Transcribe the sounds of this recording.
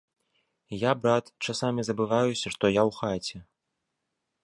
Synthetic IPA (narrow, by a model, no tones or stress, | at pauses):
jabɾat̪t͡ʂasamʲizɐbɨvajusʲɐʂt̪ɔjawxat͡sʲɛ